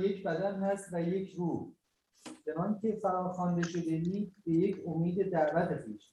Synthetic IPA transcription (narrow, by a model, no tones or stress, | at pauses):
jekbæd̪ænhæst̪væjecʰɾuːh | t͡ʃʰenɒncʰʲe̞fæɾɒːxɒnd̪eʃo̞d̪eiːd̪beje̞cʰomiːd̪e̞d̪æɾvæt̪ʰepiːʃ